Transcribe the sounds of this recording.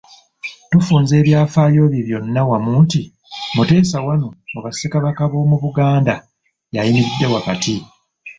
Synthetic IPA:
tufuːnze̞ːβjaːfaːjo̞βiβjo̞nːawamuːnti | mute̞ːsawano̞ːβasekaβakaβo̞ːmuβuɡaːnda | jajimiɾidːe̞wakati

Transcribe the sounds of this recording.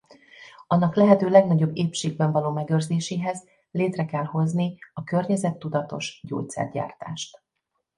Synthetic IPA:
ɒnːɒklɛɦɛt̪øːlɛɡnɒɟo̞bːeːpʃeːɡ̚bɛɱvɒloːmɛɡøːrzeːʃeːɦɛz | leːt̪rɛkɛlho̞zniɒkørɲɛzɛt̪ːud̪ɒt̪o̞̰ʃɟo̰ːc̚t̪sɛ̰rɟa̰ːrt̪a̰ːʃt̪

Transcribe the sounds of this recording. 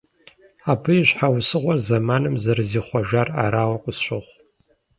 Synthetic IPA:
aːbɨjiɕħawsɨʁʷɔrzɐmaːnɨmzɐrɨziːχʷɔʒara̰ːɾaːwɐqʷʊsɕʼɪχʷ

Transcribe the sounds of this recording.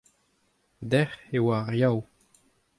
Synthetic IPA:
d̪ɛχewaʁjaw

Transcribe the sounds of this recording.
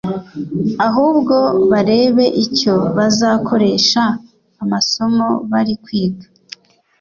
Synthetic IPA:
aɦuːbɡo̞βaɾe̞ːβe̞ʔico̞βazaːkʰo̞ɾe̞ʃaː | maso̞mo̞βaɾikwiːɡḁ

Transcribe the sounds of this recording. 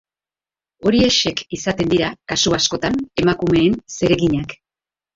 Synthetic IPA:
o̞ɾie̞ʃe̞kisat̪e̞nd̪iɾakasuasko̞t̪ane̞makume̞ːnse̞ɾe̞ɣiɲak

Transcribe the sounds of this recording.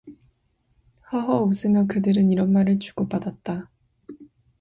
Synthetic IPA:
haɦʌos͈ɯmjʌkɯdɯɾɯniɾʌnmaɾɯɭt͡ɕu̥ɡ̥opadat̚t͈a

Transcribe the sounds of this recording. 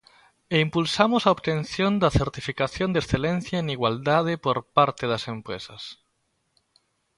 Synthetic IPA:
eimpulsamosaoβt̪ẽn̟θjond̪ɐθeɾt̪ifikaθjõnd̪esθelẽn̟θjaeniɣwald̪að̞epoɾpaɾt̪eðɐsempɾḛsɐs

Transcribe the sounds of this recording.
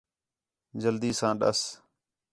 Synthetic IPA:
d͡ʒəld̪iːsãːɗə̰s

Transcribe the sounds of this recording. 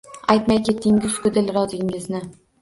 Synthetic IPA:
ajt̪majkʲʰe̞t̪ʰːɪŋɡʲɪzkʰɵd̪ɪlɾɒzɪŋɪznɪ

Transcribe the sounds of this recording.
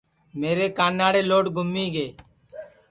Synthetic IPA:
meːɾeːkaːnːaːɽeːloːʈɡʱʊmːiːɡeː

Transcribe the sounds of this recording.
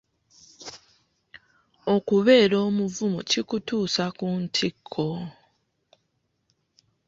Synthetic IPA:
okuβe̞ːɾo̞ːmuvumucikutuːsakuntʰikʰːo̞

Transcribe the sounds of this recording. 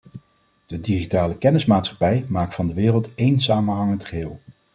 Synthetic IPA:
d̥ədiχitaːləkɛnɪsmaːtsχɑ̥pɛjmaːk̚tfɑndəʋɪːrəlˠtejnsaːmənɦɑŋəntχəɦɪːlˠ

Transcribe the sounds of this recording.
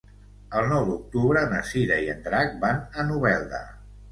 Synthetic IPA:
əlˠnɔwd̪uk̚t̪uβɾənəsiɾəiə̰nd̪ɾak̚banənuβɛlˠd̪ə̰

